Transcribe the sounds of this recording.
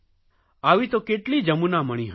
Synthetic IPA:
aːʋit̪okeʈlid͡ʒəmunaməɽ̃ĩɦə

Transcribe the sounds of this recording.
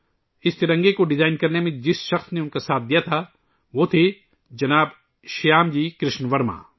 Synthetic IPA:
ɪst̪ɪɾɐ̃ŋɡekoɖɪzaːɪnkɐɾnemẽd͡ʒɪsʃɐxsneʊnkasaːt̪̚ʰd̪ijat̪ʰa | ʋoːt̪ʰe | d͡ʒɐnaːb | ʃjaːmd͡ʒiːkɾɪʃnʋɐɾma̰ː

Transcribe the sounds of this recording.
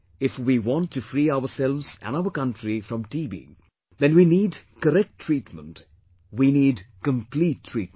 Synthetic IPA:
ɪfwiwɔ̃nʈʰːɨfɾiːaəsɛlʋz̥æ̰̃naʊəkʌ̃ntɾifɾʌ̃mʈiːbḭ | ðɛ̃nwiniːɖkəɾɛk̚ʈʰːɾ̥iːʈmə̰̃nt | winiːɖkə̃mpliʈʰːɹ̥ḭːt̚

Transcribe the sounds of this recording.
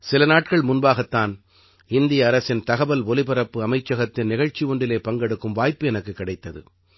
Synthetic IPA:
sɪlɐnaːʈkɐɭmʊnbaːɣɐt̪ːaːn | ɪnd̪ɪjɐːɾɐsɪnt̪ɐɣɐbɐlʋɔlɪpɐɾɐpːɯɐmɐɪt͡ʃːɐɣɐt̪ːɪnnɪɣɐɻt͡ʃːiʊɳɖɪleːpɐŋɡɛɽɯkːɯmʋaːjpːɯɛnɐkːɯkːɪɽɐɪt̪ːɐðɯ̰

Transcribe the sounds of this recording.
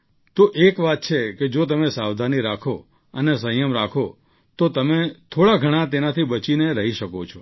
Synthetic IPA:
t̪oʔekʋat̪̚t͡ʃʰeked͡ʒot̪̬əmesaʋd̪ʱaniɾakʰo | ənesə̃jəmɾakʰo | t̪ot̪əmet̪ʰoɽaɡʱəɽ̃ãt̪enat̪ʰibət͡ʃineɾəɦiʃəkot͡ʃʰɔ

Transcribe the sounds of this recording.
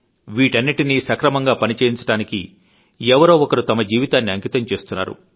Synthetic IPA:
ʋiːʈɐnːiʈinisɐkɾɐmɐŋɡaːpɐnit͡ʃeːjiɲt͡ʃɐɽaːnikḭ | ɛʋɐɾoːɔkɐɾut̪ɐmɐd͡ʒiːʋit̪aːnːiɐŋkit̪ɐmt͡ʃe̞ːst̪unːa̰ːɾṵ

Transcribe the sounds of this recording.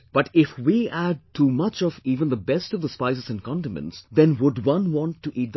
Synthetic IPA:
b̥ʌʈɪfwiæɖ̚ʈʰːuːmʌt͡ʃɔviːvə̃nd̪əbɛstʌvðəspaɪsɨzɨ̃nkɑ̃nʈəmɨ̰̃ntsd̪ɛ̃nwʊɖwʌ̃nwɔ̃ntʰːuʔiːt̚d̪ə

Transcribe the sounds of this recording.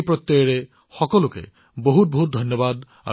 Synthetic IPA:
pɾɔt̪ːɔɾe | xɔkɔlukḛ | boɦut̪̚bɔɦut̪̚d̪ʱɔnjɔbad̪ | a̰

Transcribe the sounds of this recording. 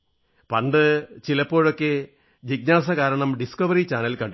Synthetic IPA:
pɐɳɖɨt͡ɕilɐpːo̞ːɻo̞kːe | d͡ʑiɡ̚naːsɐkaːɾɐɳɐmɖiskɐʋɐɾit͡ɕaːnɐlkɐɳɖ

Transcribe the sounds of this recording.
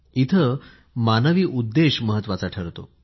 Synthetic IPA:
it̪ʰə | manəʋiːʔud̪ːeɕməɦət̪ːʋat͡saʈʰəɾt̪o̰

